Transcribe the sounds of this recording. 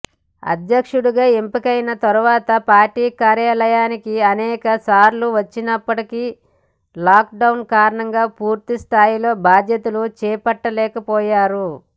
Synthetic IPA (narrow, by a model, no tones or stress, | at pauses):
ɐ̰d̪ʱjɐkʂuɽuɡaːempikɐjnɐt̪ɐɾuʋaːt̪ɐpaːɾʈiːkaːɾjaːlɐjaːnikiɐnɛːkɐsaːɾluʋɐt͡ʃːinɐpːɐʈiki | laːk̚ɖɐwnkaːɾɐɳɐŋɡaːpuːɾt̪ist̪ʰaːjilo̞ːbʱaːd̪jɐt̪ulut͡ʃɛːpɐʈːɐlɛːkɐpɔːjaːɾu